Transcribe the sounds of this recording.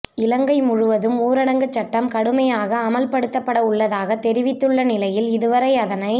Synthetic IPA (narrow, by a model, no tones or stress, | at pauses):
ɪlɐŋɡɐɪmʊɻʊʋɐðɯmuːɾɐɽɐŋɡɐt͡ʃːɐʈːɐmkɐɽɯmɐjaːɣɐːmɐlpɐɽɯt̪ːɐpːɐɽɐʊɭːɐðaːɣɐt̪ɛɾɪʋɪt̪ːɯɭːɐnɪlɐjɪlɪðɯʋɐɾɐɪɐðɐnɐɪ